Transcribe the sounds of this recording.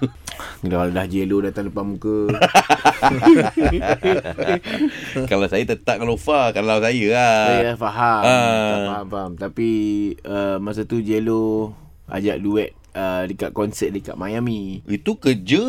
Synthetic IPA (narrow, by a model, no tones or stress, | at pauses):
kaladahd͡ʒelodat̪aŋləpamukə | kalawsajət̪ət̪aʔ̚kalofakalawsajəaajfaɦaaɦamfaɦamt̪apiəmas̬at̪ud͡ʒelo | a̰d͡ʒaʔ̚duɛt̪̚ədəkaʔ̚kɔnsɛt̪̚dəka̰ʔmajamiit̪ukəd͡ʒə